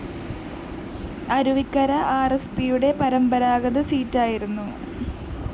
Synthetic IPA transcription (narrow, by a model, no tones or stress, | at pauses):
ɐɾuʋikːɐɾɐʔaːrespijuɽe̞pɐɾɐmbɐɾaːɣɐðɨsiːtːaːjiɾunːu